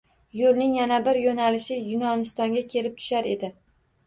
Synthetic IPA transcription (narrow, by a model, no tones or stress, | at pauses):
jʊɾnɪŋjanabɪɾjonalɪʃɪjʊnɒnɪst̪ɒŋɡʲakʲʰe̞lɪp̚t̪ʰʊ̥ʃaɾe̞d̪ɪ